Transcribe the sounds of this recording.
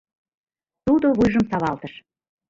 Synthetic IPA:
t̪ud̪oβujʒə̆msɑβɑlt̪əʃ

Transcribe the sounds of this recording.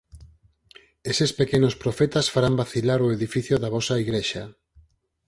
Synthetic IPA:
esespekenospɾofɛt̪asfaɾambaθilaɾoeðifiθjoðaβɔsaiɣɾeʃa

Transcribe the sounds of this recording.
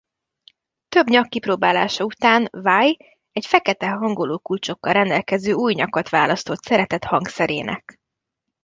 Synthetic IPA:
t̪ø̞bɲɒkːiproːbaːlaːʃɒut̪aːnvaːj | ɛcfɛkɛt̪ɛɦɒŋɡo̞loːkult͡ʃo̞kːɒlrɛnd̪ɛlkɛzøːuːjɲɒkɒt̪ʋaːlɒst̪o̞t̪sɛɾɛt̪ɛt̪hɒŋksɛɾḛːnʔɛ̰k

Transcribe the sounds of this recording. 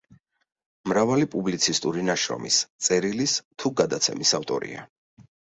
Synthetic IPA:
mɾavalipʼublit̪sʰist̪ʼuɾinaʃɾɔ̰mist̪sʼɛɾilist̪ʰuɡad̪at̪sʰɛ̰misaft̪ʼɔ̰ɾḭa̰

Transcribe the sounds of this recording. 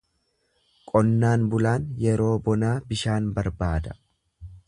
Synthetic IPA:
kʼɔnːaːnbʊlaːnjɛɾo̞ːbɔnaːbɪʃaːnbɐɾbaːd̪ɐ

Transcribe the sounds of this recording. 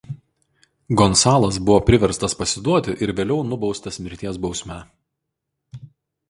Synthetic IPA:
ɡɔnsɑːlˠɐs̬bʊʋoːpʲɾʲɪʋʲɛɾst̪ɐspɐsʲɪd̪uɔt̪ʲɪʔɪɾʋʲeːlʲɛʊnʊbɒʊst̪ɐsmʲɪɾʲt̪ʲiɛsbɒʊsʲmʲɛ

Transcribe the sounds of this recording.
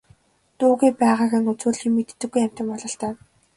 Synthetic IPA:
t̪uːɣeːpæːʁaːɣɘ̆ŋɵt͡suːɮxiːŋmet̪̆t̪ːɘ̆ɡːujæm̥ʲt̪ɪ̆mpɔɮɞ̆ɬt̪æː

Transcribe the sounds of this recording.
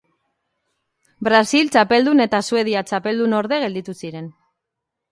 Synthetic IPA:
bɾasilt͡ʃape̞ld̪une̞t̪asue̞ð̞iat͡ʃape̞ld̪uno̞ɾðe̞ɣ̞e̞ld̪it̪usiɾe̞n

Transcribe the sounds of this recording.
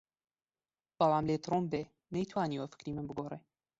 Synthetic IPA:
b̥ɐlˠɑːmleːt̪ɾombeː | nɐjt̪ʰwaːniwɐfɨ̥kɾiːmɨnbɨɡoːreː

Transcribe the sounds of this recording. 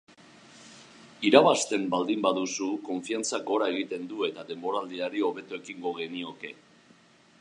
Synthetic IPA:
iɾaβ̞ast̪e̞mbald̪imbaðusuko̞ɱfiant͡saɡo̞ɾae̞ɣ̞it̪e̞nd̪ue̞t̪aðe̞mbo̞ɾald̪iaɾio̞β̞e̞t̪oe̞kiŋɡo̞ɣe̞nio̞ke̞

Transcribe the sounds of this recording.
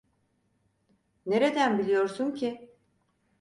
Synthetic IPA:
ne̞ɾe̞d̪ænbilʲijoɾsuncʰi

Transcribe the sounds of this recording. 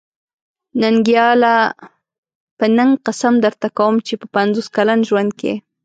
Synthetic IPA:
naŋɡjɑla | pənaŋqasamd̪əɾt̪akawəmt͡ʃepəpanzoskalanʒwand̪̚kḛ

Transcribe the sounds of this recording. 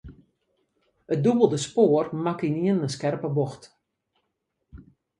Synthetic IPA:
ət̚dubəlˠdəspoːərmakiniənəskɛrpəboxt

